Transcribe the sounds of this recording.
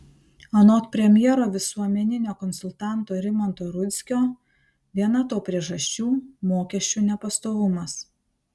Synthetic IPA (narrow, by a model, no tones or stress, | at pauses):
ɐnoːt̪pʲɾʲɛmʲjɛːɾoːʋʲɪsuɔmʲɛnʲɪnʲoːkɔnsʊlʲˠt̪ɑˑnt̪oːɾʲɪmɔnt̪oːɾʊt̪ʲsʲkʲoː | ʋʲiɛnɐt̪oːpʲɾʲiɛʒɐʃʲt͡ʃʲuːmoːkʲɛʃʲt͡ʃʲuːnʲɛpɐst̪oːʋʊmɐs